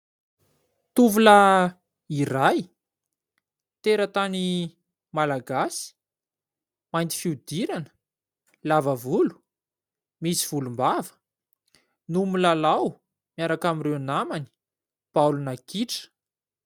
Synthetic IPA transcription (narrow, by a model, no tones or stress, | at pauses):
t̪uvula | iɾaj | t̪eɾət̪ani | malaɡasi̥ | majnt̪i̥fiud̪iɾanə̥ | lavəvulu̥ | misiv̥ulumbavə̥ | numulalaw | mjaɾakamirewnamani̥ | b̥alunakiʈ͡ʂə̥